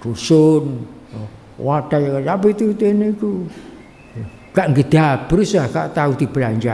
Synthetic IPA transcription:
rusʊn | wad̥ajsapit̪ut̪eneiku | kaʔŋɡəd̪̥at̚b̥əɾusahka̰ʔt̪aut̪ibəlaɲt͡ʃa

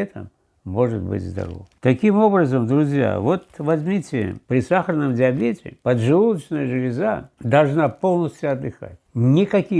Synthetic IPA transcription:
ɛt̪ə̰mː | o̞ʐɨt̪̚bɨ̰tʲzd̪ɐ̰ɾo̰vt̪ɐkʲimo̞bɾəzəmd̪ɾʊzʲja̰vo̞t̪vɐzʲmʲitʲɪ̰pɾʲɪsaxəɾnəmdʲɪɐbʲetʲɪ̰pəd̪ʐɨvulˠət͡ɕnəjəʐɨlʲɪzad̪ɐlˠʐnapo̞lˠnəsʲtʲjʊɐd̪ːɨxa̰tʲnʲɪkɐkʲi

